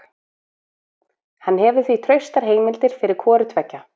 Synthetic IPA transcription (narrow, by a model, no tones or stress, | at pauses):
hanːɦɛːvʏ̥θvit̪ʰɾœɥst̪aɾ̥ɦeːjmɪlt̪ɪɾ̥fɪɾɪɾ̥kʰɔːɾɪt̪vɛcːa